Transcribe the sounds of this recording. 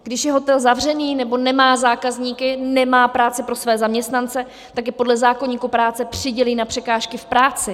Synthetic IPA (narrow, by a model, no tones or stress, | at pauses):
ɡdɪʃjɛɦo̞t̪ɛlzavr̝ɛniːnɛbo̞nɛmaːzaːkazɲiːkɪnɛmaːpɾaːt͡sɪpɾo̞svɛːzamɲɛst̪nant͡sɛ | t̪akjɛpo̞dlɛzaːko̞ɲiːkupɾaːt͡sɛpr̝̥ɪɟɛliːnapr̝̥ɛkaːʃkɪfpɾaːt͡sɪ